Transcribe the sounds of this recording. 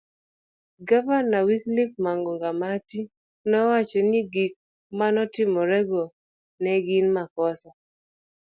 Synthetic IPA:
ɡavanawiklɪp̚maŋɡɔŋɡamati | nɔwat͡ʃɔniɡik̚ | manɔtɪmɔɾɛɡɔ | nɛɡinmakɔsa

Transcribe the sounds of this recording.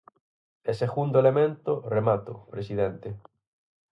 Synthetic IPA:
eseɣund̪oelemẽnt̪ʊremat̪ʊ̰pɾesiðent̪e

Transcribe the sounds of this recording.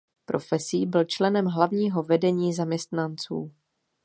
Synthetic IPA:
pɾʔo̞fɛsiːbɪlt͡ʃlɛnɛmɦlavɲiːɦo̞vɛdɛɲiːzamɲɛst̪nant͡sṵː

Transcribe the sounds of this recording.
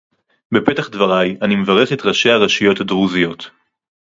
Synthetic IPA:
bepe̞taχdvaʁajanimevaʁeχet̪ʁaʃe̞haʁaʃijo̞thadʁuzijo̞t̪

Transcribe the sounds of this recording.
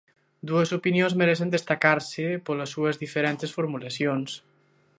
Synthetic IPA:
d̪uezupinionzmeɾɛsend̪est̪akaɾsepoləsːuəzðifeɾɛnt̪esfuɾmulasjons

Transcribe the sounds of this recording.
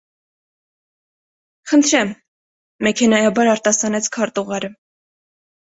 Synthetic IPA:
χənt̪ʰɾɛmː | ɛkʰɛnɑjɑbɑɾɑɾt̪ɑsɑnɛt͡sʰkʰɑɾt̪uʁɑɾə

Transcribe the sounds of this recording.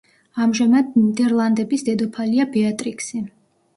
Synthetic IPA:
amʒamad̪d̪ɛɾlˠand̪ɛbisd̪ɛd̪ɔpʰaliabɛat̪ʼɾikʼsi

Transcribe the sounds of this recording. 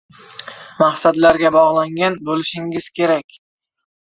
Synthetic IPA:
mahsad̪laɾɡʲabɒʁlˠaŋɡʲanbolɪʃɪŋɪz̥kʲʰe̞ɾakʲ

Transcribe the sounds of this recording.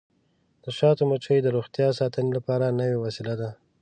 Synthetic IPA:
d̪̥əʃɑt̪omət͡ʃəjd̪əɾoxt̪jɑsɑt̪ənelapɑɾanəwewasilad̪a

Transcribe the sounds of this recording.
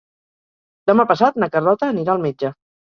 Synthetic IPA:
d̪əmapəsat̪nəkərlɔt̪əːniɾaːlˠmed͡ʒə

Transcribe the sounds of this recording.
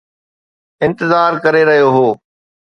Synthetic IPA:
ɪ̃nt̪ɪzaːɾkɐɾeɾɐɦijoɦoː

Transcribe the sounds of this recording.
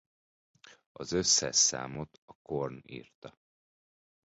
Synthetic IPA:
ɒzø̞sːɛ̰ʃsa̰ːmo̞t̪ɒkornḭːrt̪ɒ

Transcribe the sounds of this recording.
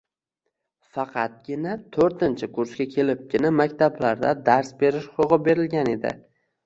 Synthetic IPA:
fɑqʰɑt̪̚ɡʲɪnat̪ʰoɾt̪ɪnt͡ʃʰɪkʰʊɾskʲakʲʰe̞lɪp̚ɡʲɪnamakʲt̪ʰablaɾd̪a̰d̪aɾsbe̞ɾɪʃχoʁɨbe̞ɾɪlɡʲane̞d̪ɪ̰

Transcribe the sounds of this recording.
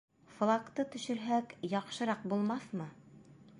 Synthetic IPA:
flˠakt̪ɤt̪ɵ̆ʃɘ̆ɾɦækjɑqʃɤ̆ɾɑq̚bulˠmɑθmɤ

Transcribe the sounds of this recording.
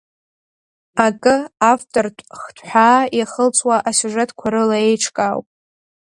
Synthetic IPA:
akʼɨaftʼortʷʼχtʷʰħʷᶣaːjaχəlt͡sʼwaʔasuʐetʰkʷʰaɾɨlae̞jʈ͡ʂʰkʼawpʼ

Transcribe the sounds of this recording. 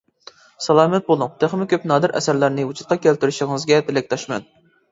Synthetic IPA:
sɑlˠɑːmɛt̪̚bolˠʊŋt̪ʰeχmɪkʲøpnɑːd̪ɨɾʔɛ̰sæɾlæɾnɪut͡ʃʰu̥t̪̚qʰɑkʲʰælt̪yɾyʃɪŋɨzɡʲɛt̪ʰɪlɪk̚ʲt̪ʰɑʃmɛ̰n

